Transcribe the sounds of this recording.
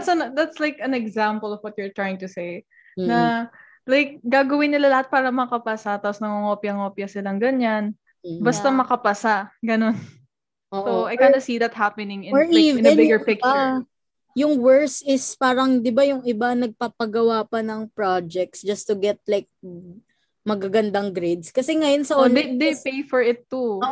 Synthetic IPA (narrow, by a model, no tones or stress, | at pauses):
t̪sɐnd̪at̪slajkɐnɛɡzampəlɔvwɔt̪̚jʊɹt̪ɹajɪŋt̪ʊsej̩ | nɐ | lajk̚ɡaːɡɐwɪnːɪlalɐhat̪̚paːɾɐmɐkɐpɐsat̪aːposnɐŋoŋopjɐŋopjɐsɪlɐŋɡɐɲan̩ | bɐst̪ɐmɐkɐpɐsaɡɐno̞n | ʔoːʔoɐjɡanɐsid̪ɐt̪̚hapɛnɪŋɪɔɹivnɛnbɪɡəɹpɪk̚ | jʊŋwɛɹsɪspaːɾɐŋd̪ɪbajʊŋɪbanɐɡ̚papɐɡɐwapɐnɐŋpɹad͡ʒɛk̚t̪sd͡ʒɐst̪ʊɡɛt̪̚lajk̚ | mɐɡaɡɐnd̪ɐŋɡɾed̪skɐsɛŋɐjonsɐʔond̪epejfɔɹɪt̪ːuo